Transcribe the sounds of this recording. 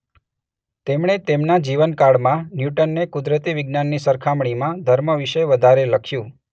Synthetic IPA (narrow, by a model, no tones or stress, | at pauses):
t̪emɳ̃et̪emnad͡ʒiʋənkaɽmãnjuʈənːekʊd̪ɾət̪iʋiɡnanːisəɾkʰamɳ̃imãd̪ʱəɾməʋiʃəʋəd̪ʱaɾeləkʰjũ